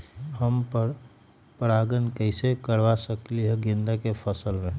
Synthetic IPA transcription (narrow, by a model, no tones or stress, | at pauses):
ɦəmpə | pəɾaːɡənkɛɪsekəɾʋasəkliɦɛɡɪ̃nd̪akepʰəsəlmẽ